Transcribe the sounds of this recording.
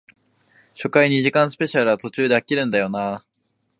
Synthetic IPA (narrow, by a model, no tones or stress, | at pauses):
ɕo̞kaiɲ̟iʑikãɰ̃sɨ̥pe̞ɕaɾɯ̟βat̪o̞t͡ɕɨːd̪e̞akʲiɾɯ̟̃nd̪ajo̞na